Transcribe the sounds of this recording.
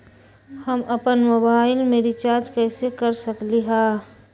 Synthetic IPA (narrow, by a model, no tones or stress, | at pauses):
həməpənmoːbaːɪlmeɾɪt͡ʃaːɾd͡ʒkɛːsekəɾsəkliɦa